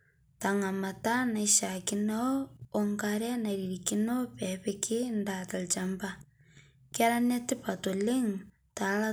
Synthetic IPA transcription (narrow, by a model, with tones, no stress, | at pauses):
taŋa˨ma˨ta˦na˨iʃa˨ki˦nooŋkaɾa˦na˨iɾiɾiki˦no˦pɛ˨pekʰi˦ndata˨lt͡ʃa˨mba | ka˦ɾa˦ne˦ti˦pa˨to˨li˦ŋ | ta˨la